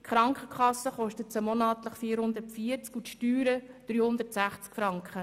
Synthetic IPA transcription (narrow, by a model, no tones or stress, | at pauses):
χɾɑŋkχəkχɑsːəχɔʃtətt͡səmɔnɑːt̪ləχfiːəɾhʊnd̪ətfiət͡skutʃtyːɾəd̥ɾyːhʊnd̪ərtsæχt͡skfɾɑŋkχə